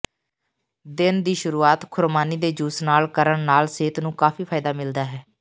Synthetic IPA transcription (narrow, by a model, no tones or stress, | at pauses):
d̪ɪnd̪iːʃʊɾuːaːt̪kʰʊɾmaːniːd̪eːd͡ʒuːsnaːlkəɾəɳnaːlseːt̪nũːkaːpiːpʰaːɪd̪aːmɪld̪aːɦɛː